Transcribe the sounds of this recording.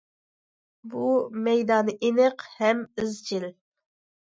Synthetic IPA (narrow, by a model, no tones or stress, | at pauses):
bumɛjd̪ɑːnɨʔenəqhɛmyzt͡ʃʰiɪl